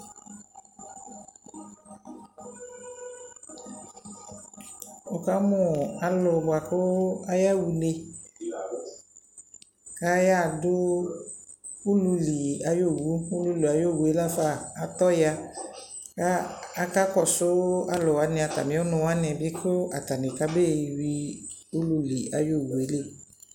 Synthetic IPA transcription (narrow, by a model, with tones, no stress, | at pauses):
ʊ˨ka˦mʊ˨a˨lʊ˨bʊ˨a˨kʊ˦a˦ja˦wu˨ne˨ | ka˦ja˦˨dʊ˦ | ʊ˦lu˨li˨a˨jo˦˨wu˦ʊ˦lu˦li˨a˨jo˦˨wu˨e˦la˦faː˦˨t̪ɔ˦ja˦ | ka˦a˦ka˦kɔ˨sʊ˦a˦lʊ˨wa˨˦nɪ˨a˨ta̰˨mɪ̃˨˦ɔ˦nʊ̃˨wa˦nɪ˨bɪ˦kʰʊ˦a˨ta˨nɪ˨ka˦be˦˨wi˦ | ʊ˦lu˨li˨a̰˨jo˦˨wu˨e˨˦le˦˨